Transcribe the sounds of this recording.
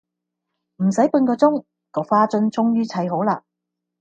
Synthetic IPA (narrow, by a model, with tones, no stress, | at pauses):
m̩˨˩sɐ˨˥jpu˧nkɔː˧t͡sʊ˥ŋ | kɔː˨˧faː˥t͡sɵ˧˥nt͡sʊ˥ŋjyː˥t͡sʰɐ˨˥jɦo˨˥wlaː˧